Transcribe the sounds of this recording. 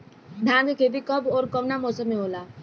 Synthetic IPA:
d̪ʱãːɡ̪kʰed̪ikəbɔːɾkəmnamɔːsəmːẽɦoːlaː

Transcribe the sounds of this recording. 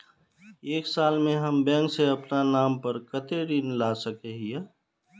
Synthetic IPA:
eːksaːlmẽɦɐmbɛ̃ːŋkseɐpnanaːmpəɾkət̪eɽinlasəkeɦije

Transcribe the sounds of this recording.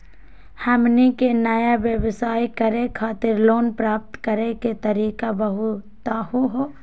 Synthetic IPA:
hɛmnikenɐjaʋjəʋsaːikɐɾekʰaːt̪ɪɾloːnpɾaːp̚t̪kɐɾeket̪ɐɾiːkabɐɦut̪ahuɦoː

